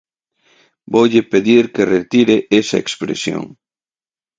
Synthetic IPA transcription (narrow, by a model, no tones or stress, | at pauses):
bowʎɪpeðiɾkeret̪iɾeʔesɐ̰ḛkspɾḛsjo̰ŋ